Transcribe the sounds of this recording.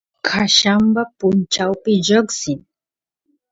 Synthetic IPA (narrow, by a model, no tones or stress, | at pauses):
kʰaɕambapunt͡ʃawpid͡ʑəɡsin